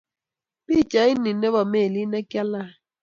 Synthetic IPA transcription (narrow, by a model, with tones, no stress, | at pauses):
pi˦˨t͡ʃa˨i˦ni˨ne˦βɔ˨me˦˨li˦ne˦kja˦la˦˨